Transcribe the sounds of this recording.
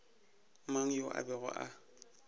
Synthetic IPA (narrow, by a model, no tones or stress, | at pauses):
maŋ̩joʔa̰bɛɣʊ̰ʔa